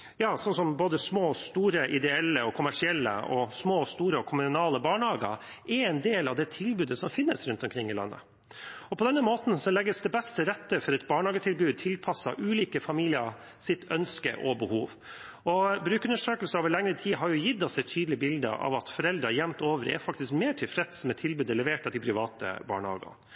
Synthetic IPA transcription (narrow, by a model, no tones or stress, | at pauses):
jɑːsɔnsɔmboːd̪əsmoːst̪uːɾəʔɪd̪ɛɛlːəɔkʰʊmæʂɪɛlːə̰ɔsmoːst̪uːɾəɔkʰʊmʉnɑːləbɑːɳhɑːɡɑ̰ | ʔɛɛnd̪eːlɑʋd̪ɛt̪ʰɪlbʉːd̪əsɔmfɪnːəsɾʉnt̪ɔmkʰɾɪŋːɪlɑ̰nːə̰ | ɔpʰɔd̪ɛnːəmoːt̪n̩sɔlɛɡːəsd̪ɛbɛst̪əɾɛt̪ːəfɔɾɛt̪bɑːɳhɑːɡət̪ʰɪlbʉːd̪̚t̪ʰɪlpʰɑsːɑ̰ʔʉːliːkəfɑmiːlɪə̰ | sɪt̪ʰœnskə̰ʔɔbəhuːʋ | ɔbɾʉːkʉnəʂøːkəlsəoːʋəɭɛŋəɾət̪ʰiːɦɑɾjʊjɪd̪ːɑsɛɪt̪ʰyːd̪lɪəbɪld̪ə̰ʔɑ̰ʋɑt̪fɔɾɛld̪ɾɑjɛmt̪oːʋəɾɛ̰fɑk̚t̪ɪskmeːʈʰɪlfɾɛt̪smɛt̪ʰɪlbʉːd̪ələʋeːʈət̪ɪpʰɾɪʋɑːt̪ə̰bɑ̰ːɳhɑ̰ːɡə̰